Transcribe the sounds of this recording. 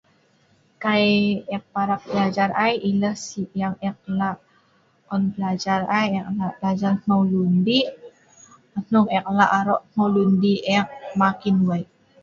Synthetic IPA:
kajɛk̚paɾak̚bəlad͡ʒaɾajʔiləhsijaŋɛk̚laʔ | ɔnbəlad͡ʒarajɛklablad͡ʒarmawlundi | anuŋɛk̚laʔaɾɔʔmawlundiʔɛk̚makinwaj

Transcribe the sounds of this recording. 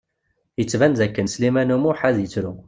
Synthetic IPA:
jət͡sːvænzækːənslimænumuħaðjət͡sːɾu

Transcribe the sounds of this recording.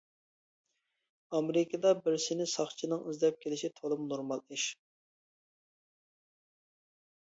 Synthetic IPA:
ɑmɾɪkʲʰɪd̪ɑbɪɾsɪnɪsɑχt͡ʃʰinɨŋizlɛp̚kʲʰelɪʃit̪ʰolˠɨmnoɾmɑlˠiʃ

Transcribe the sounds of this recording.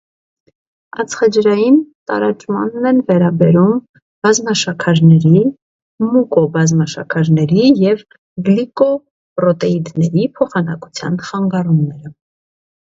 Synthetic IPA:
ɑt͡sʰχɑd͡ʒɾɑjint̪ɑ̰ɾɑt͡ʃmɑ̰nːɛnvɛɾɑbɛɾum | b̥ɑzmɑʃɑkʰɑɾnɛɾi | mukɔbɑzmɑʃɑ̰kʰɑɾnɛɾijɛv | ɡlikɔ | pɾɔt̪ɛid̪nɛɾipʰɔχɑnɑku̥t͡sʰjɑ̰nχɑŋɡɑrumnɛɾə

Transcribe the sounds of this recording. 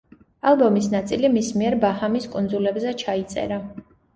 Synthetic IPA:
alˠbɔmis̬nat̪sʼilimismiɛɾbahamiskʼund̪zulɛbzɛt͡ʃʰait̪sʼɛ̰ɾa

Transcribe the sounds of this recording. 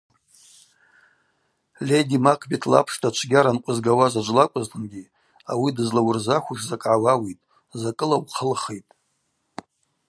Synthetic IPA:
lʲedimakʰbitʰla̰pʰʂtʰat͡ʃʷʰɡʲaɾanqʷʼʊzɡawazad͡ʒʷlakʷʼʊztɨnɡʲi | awidɨzlawʊrzaχʷʊʂzakʼʕawawitʼ | zakʼɨlawqʰəlχejtʼ

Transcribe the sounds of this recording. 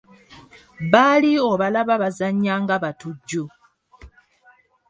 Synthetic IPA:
βalio̞βalaβaβazaɲːaŋɡaβatuɟːo

